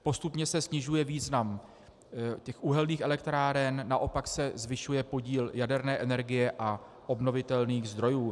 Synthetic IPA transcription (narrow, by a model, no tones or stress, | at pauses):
po̞st̪upɲɛsɛsɲɪʒujɛviːznam | cɛxʔuɦɛlniːxɛlɛkt̪ɾaːɾɛnːaʔo̞paksɛzvɪʃujɛpo̞ɟiːljadɛɾnɛːʔɛnɛɾɡɪjɛʔa | ʔo̞bno̞vɪt̪ɛlniːɣzd̪ɾo̞juː